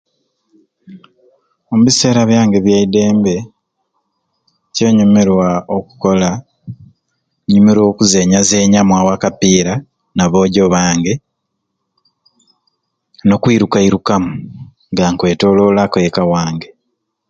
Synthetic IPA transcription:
omuβise̞ːɾaβjaːŋɡeβjaide̞ːmbe̞ | ce̞ːɲumeɾwaoku̥ko̞la | ɲumeɾo̞ːkuze̞ːɲaze̞ːɲamwaːwakapiːɾa | naβo̞ːɟo̞βaːŋɡe̞ | no̞kwiːɾukaiɾukamu | ŋɡaŋkwe̞ːto̞ːlo̞ːlakojekawaːŋɡe

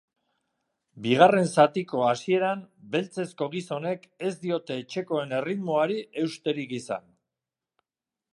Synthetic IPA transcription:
biɣ̞are̞nsat̪iko̞asie̞ɾambe̞lt͡se̞sko̞ɣ̞iso̞ne̞ke̞zd̪io̞t̪e̞ːt͡ʃe̞ko̞e̞ne̞rit̪moaɾiʔe̞wst̪e̞ɾikisa̰n

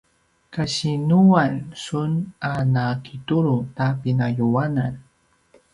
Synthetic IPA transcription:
kaʃinuwansʊnanakʰɪt̪ʊɾʊt̪apinajuwanan

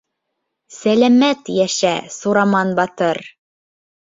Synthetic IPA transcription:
sælæmæt̪jæʃæsuɾɑmɑnbɑt̪ɤɾ

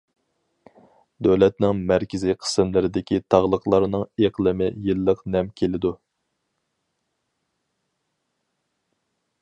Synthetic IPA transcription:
d̪øwlɛt̪̚nɪŋmæɾkʲɪziqʰə̥sɨmlɪɾɪd̪ɪkʲit̪ʰɑʁlˠəqlˠɑɾnɨŋeqlˠɨmɪjɨlˠːəqnɛmkʲʰelɪd̪u

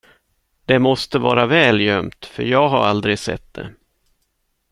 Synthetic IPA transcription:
d̪̥ɛmɔst̪əvɑ̰ːɾavɛːljœmt̪fœɾjɑːɡɦaɾald̪ɾɪɡsɛ̰t̪̚d̪ɛ̰

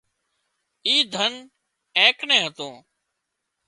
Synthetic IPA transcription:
iːd̪ʱən | ẽːknẽːɦət̪õː

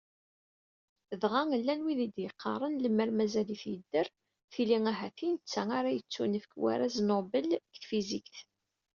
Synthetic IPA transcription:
ðʁæŋəlːænwiðid̪jəqʰːɑ̰ɾˤənləməɾmæzæliθjəd̪ːər | θiliŋæɦæθinət͡sːæŋaɾajət͡sːunəfkwa̰ɾaznobəlkθfizikθ

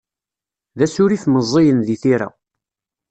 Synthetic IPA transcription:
ðæsʊɾifməzˤːijənðiθiɾa̰

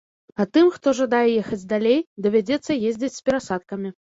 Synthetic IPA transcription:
at̪ɨmxt̪ɔʐad̪ajɛjɛxɐd͡zʲd̪alʲejd̪ɐvʲad͡zʲɛt̪sːɐjezʲd͡zʲit͡sʲsʲpʲɛɾasat̪̚kɐmʲi

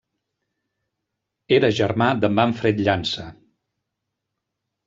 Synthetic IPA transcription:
eɾəʒəɾmad̪əmaɱfɾet̪ʎansə

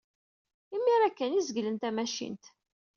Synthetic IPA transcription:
imːiɾækːənizəɡlənt̪æmæʃḭnt̪

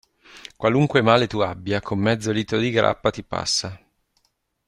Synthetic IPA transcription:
kwaluŋkwemaːlet̪uabːjakʰomːɛd̪zːoliːt̪od̪iɡɾa̰pːat̪ipa̰sːa

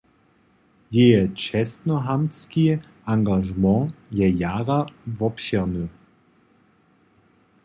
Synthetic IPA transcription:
jeət͡ʃɛstnɔɦamski | ãŋɡaʒmɑ̃jɛjaːʁavɔpʃɛʁnø

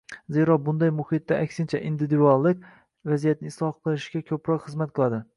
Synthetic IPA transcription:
ze̞ɾɒbʊnd̪ajmʊhɪt̪ːaakʲsɪnt͡ʃʰaʔɪnd̪ɪd̪ɪɒlˠːɪk̚ʲ | vazijat̪̚nɪɪslˠɒqʰɨlˠɪʃɡʲakʲʰɵpɾɒqχɨzmat̪̚qʰɨlˠad̪ɪ

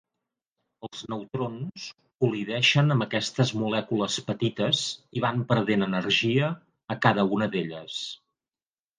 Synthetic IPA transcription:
əlˠznəwt̪ɾons | kuliðɛʃənəmbəkɛst̪əzmulɛkuləspət̪it̪əziβ̞ampəɾðenənərʒiəː | kaðəunəðeʎəs

